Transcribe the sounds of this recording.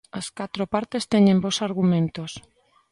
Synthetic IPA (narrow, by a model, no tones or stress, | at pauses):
ɐskat̪ɾopaɾt̪est̪eɲẽmbosaɾɣumẽnt̪os